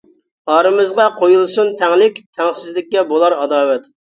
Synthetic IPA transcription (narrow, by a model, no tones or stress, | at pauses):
ɑɾɨmɨzʁɑqʰojulˠsunt̪ʰɛŋlɪkʲt̪ʰɛŋsɪzlɪk̚ʲːɛbolˠɑɾɑd̪ɑːwɛt̪